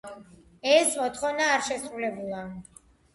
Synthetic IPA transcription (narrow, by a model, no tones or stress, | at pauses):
ɛsmɔt̪ʰχɔvnaːɾʃɛsɾulɛbulˠa